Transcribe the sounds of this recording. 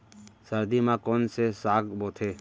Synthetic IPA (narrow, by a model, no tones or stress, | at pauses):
səɾd̪imãːkoːnsesaːkboːt̪ʰeː